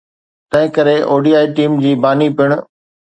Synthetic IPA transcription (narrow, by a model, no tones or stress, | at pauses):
t̪ɐ̃ɦɪ̃kɐɾeʔoːɖiːaːiʈiːmd͡ʑiːbaːnipɪʊɽ̃ʊ